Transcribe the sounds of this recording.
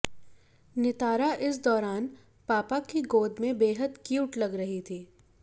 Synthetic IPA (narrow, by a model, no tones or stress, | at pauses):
nɪt̪aːɾaʔɪs̬d̪ɔːɾaːn | paːpakiɡoːd̪mẽbeːɦəd̪kuːʈlɐɡɾɐɦit̪ʰiː